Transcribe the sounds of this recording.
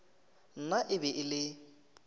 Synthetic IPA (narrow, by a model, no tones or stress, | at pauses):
n̩naʔɪbɛʔɪlɪ